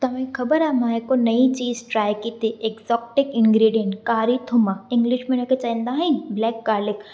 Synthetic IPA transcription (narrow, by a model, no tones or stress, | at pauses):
t̪ɐmẽkʰɐbəɾaːmaːekonɐit͡ʃiːzʈɾaːjkit̪ʰiʔekzɔːkʈɪkɪnɡɾiːɖijəɳʈkaːɾit̪ʰʊmaɪ̃ŋɡlɪʃmenoket͡ʃaĩnd̪aːɦɐ̃nblɛːkːaːɾlɪk